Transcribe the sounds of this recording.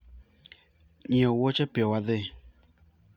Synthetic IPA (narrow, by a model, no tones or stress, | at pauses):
ɲiɔwot͡ʃɛpjɔwaðe